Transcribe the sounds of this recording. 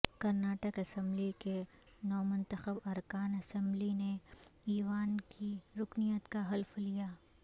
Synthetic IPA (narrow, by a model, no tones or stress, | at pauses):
kɐɾnaːʈəkɐsə̃mblike | nɔːmʊ̃nt̪əxəbɐɾkaːnɐsɛ̃mblineiːʋaːnkiɾʊknijət̪kaɦɐlflijaː